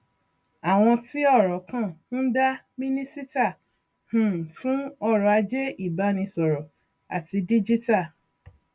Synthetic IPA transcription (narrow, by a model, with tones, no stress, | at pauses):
a˨w̃ɔ̃˧ti˦ɔ˦˨ɾɔ˨˦kã˦˨ũ˦da˦ | mĩ˦nĩ˦si˦ta˦˨ | h̩˨fũ˦ɔ˦˨ɾɔ˧a˧d͡ʒe˦i˦˨ba˨˦nĩ˧sɔ˨ɾɔ˨ | a̰˨ti˧di˦d͡ʒi˦ta˦˨